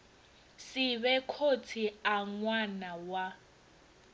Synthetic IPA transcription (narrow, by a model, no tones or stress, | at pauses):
siβɛkʰot͡sʰiaŋwanawa